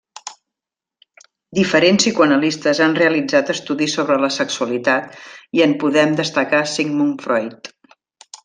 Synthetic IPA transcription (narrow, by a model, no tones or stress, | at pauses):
d̪ifəɾensikuənəlist̪əzanreəlid͡zat̪əst̪uðisoβɾələsəksuəlit̪at̪iənpuðɛmd̪əst̪əkasiŋmunfɾɔjt̪